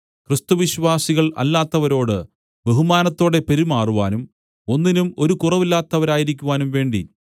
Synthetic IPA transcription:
krist̪uʋiɕʋaːsiɣɐɭɐ̰lːaːt̪ːɐʋɐɾo̞ːɽɨ | be̞ɦumaːnɐt̪ːo̞ːɽe̞pe̞ɾumaːruʋaːnum | o̞nːinumo̞ɾukurɐʋilːaːt̪ːɐʋɐɾaːjiɾikʲːuʋaːnumʋe̞ːɳɖḭ

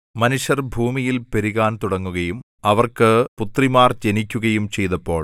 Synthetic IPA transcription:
mɐnuɕjɐrbʱuːmijilpeɾiɣaːnt̪uɽɐŋːuɣɐjum | ɐʋɐrkɨput̪rimaːrt͡ɕe̞nikʲːuɣɐjumt͡ɕe̞jt̪ɐpːo̞ːɭ

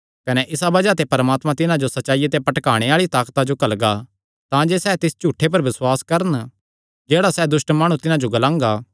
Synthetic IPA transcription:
kɐnɛʔɪsabɐd͡ʒat̪epɐɾmaːt̪mãt̪ɪnãd͡ʒosɐtːʃaːijat̪epɐʈkaːɽ̃eaːɭit̪aːkt̪ad͡ʒokɐlɡa | t̪ãd͡ʒeːsɛːt̪ɪst͡ʃuːʈʰːep̬ɐɾʋɪswaːskɐɾən | d͡ʒeːɽasɛːd̪ʊsʈmaːɽ̃ũt̪ɪnãd͡ʒoɡɐlãːŋɡaː

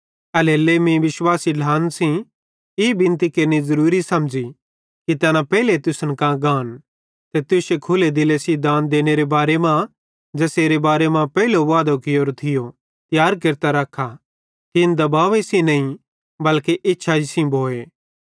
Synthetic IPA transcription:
ɐlelemĩʋɪswaːsilʱaːnsĩ | ibʱɪ̃nt̪ikɐɾnizɐɾuːɾisɐmd͡ʒi | kit̪ɛnãpɛːɪlet̪ʊsənkãɡãːn | t̪et̪ʊsekʰʊled̪ɪlesĩd̪ãːnd̪eːneɾebaːɾemã | d͡ʒɛːseːɾebaːɾemãpɛːiloʋaːd̪okɪjoːɾt̪ʰɪjo | t̪ɪjaːɾk̬ɐɾt̪aɾɐkʰa | t̪ɪnd̪ɐbaːʋesĩnɐĩ | bɐlkeʔɪtːʃʰaisĩbʱoːeː

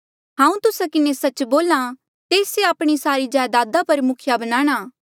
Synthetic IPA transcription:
ɦãːũt̪ʊsakɪnesɐt͡ʃboːlã | t̪eːseaːpɽ̃isaːɾid͡ʒaːjd̪aːd̪apɐɾmʊkʰɪjabɐnaːɽ̃aː

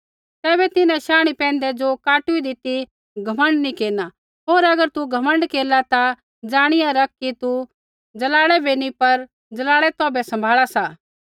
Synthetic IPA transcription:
t̪ɛːbɛt̪ɪnãʃaːɽ̃ipɛ̃ːnd̪ɛd͡ʒokaːʈʊid̪ɪt̪i | ɡʱɐmə̃ɳɖnikeːna | ɦoːɾɐɡəɾt̪uɡʱɐmə̃ɳɖkeːlat̪a | d͡ʒaːɽ̃ɪjãɾɐk̚kit̪u | d͡ʒɐlaːɽɛbʱinipɐɾ | d͡ʒɐlaːɭɛt̪ɔːbɛsɐ̃mbʱaːɭasaː

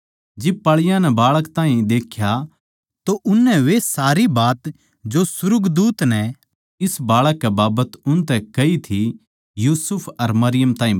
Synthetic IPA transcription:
d͡ʒɪb̚pɐɭɪjãnɛbaːɭəkt̪ãːɦĩd̪eːkʰja | t̪oʔʊnːɛʋesaːɾibaːt̪ | d͡ʒosʊɾʊɡd̪uːt̪nɛ | ɪsbaːɭəkːɛbaːbət̪ʊnt̪ɛkɐit̪ʰi | juːsʊpʰɐɾmɐɾɪjəmt̪ãːɦĩ

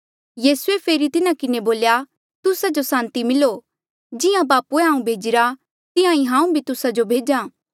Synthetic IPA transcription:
jiːsuepʰeːɾit̪ɪnãkɪneboːlja | t̪ʊsad͡ʒosãːnt̪imɪlo | d͡ʒɪjãbaːpueɦãːũbʱeːd͡ʒɪɾa | t̪ɪãĩɦãːũbʱit̪ʊsad͡ʒobʱeːd͡ʒãː

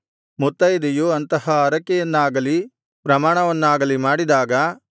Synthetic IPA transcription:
mut̪ːɐjd̪ejuɐnt̪ɐɦɐɐɾɐkːɛjɐnːaːɡɐli | pɾɐmaːɳɐʋɐnːaːɡɐlimaːɽid̪aːɡɐ

